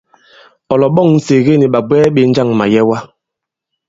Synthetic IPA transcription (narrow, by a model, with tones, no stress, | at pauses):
ɔ˨lɔ˨ɓɔ˦˨ŋn̩˦se˨ɣe˦ni˨ɓa˨bwɛː˦ɓe˨˦n̩˦d͡ʒa˦˨ŋma˨jɛ˦wa˦